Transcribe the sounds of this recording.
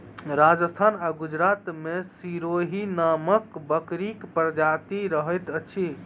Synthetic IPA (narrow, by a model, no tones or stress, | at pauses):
ɾad͡ʒəst̪ʰanaɡud͡ʒɾat̪mesiɾoɦinaməkbəkɾikpɾəd͡ʒat̪iɾəɦəjt̪ət͡ʃʰi